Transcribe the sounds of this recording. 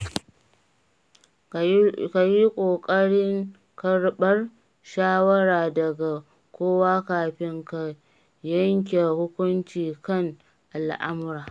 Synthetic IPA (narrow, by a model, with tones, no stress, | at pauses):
ka˨ji˦kʷʼoː˨kʼɐ˦ɽɪ˦ŋ | kɐ˨ɽɓɐ˦r | ʃaː˦wɐ˦ɽaː˨dɐ˨ɡa˨ | kʷoː˦waː˦kaː˨ɸɪ˦ŋka˨ | jɐ˦ŋk̬ʲe˨hʊ˦kʷʊ˦nt͡ʃiː˨kɐ˦˨ŋ | ʔa˨lʔa̰˦mʊ˦ɾaː˨